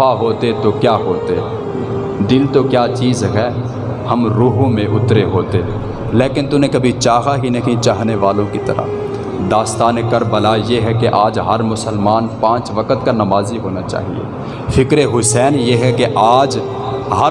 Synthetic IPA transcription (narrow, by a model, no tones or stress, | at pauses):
aɦoːt̪et̪okjaːɦoːt̪e | d̪ɪlt̪okjaːt͡ʃiːzɦɛː | hɐmɾuːɦõmẽʔʊt̪ɾeɦoːt̪e | leːkɪnt̪ʊnẽkɐbʱit͡ʃaːɦakinɐɦĩt͡ʃaːɦneʋaːlõkit̪ɐ̰ɾa̰ | d̪aːst̪aːnekɐɾbɐlajeɦɛkeʔaːd͡ʒɦɐɾmʊsəlmaːnpãːt͡ʃʋɐkət̪kanɐmaːziɦoːnat͡ʃa̰ːɦḭḛː | fʰɪkɾeɦʊsɛːnjeɦɛkeʔaːd͡ʒ | ɦɐ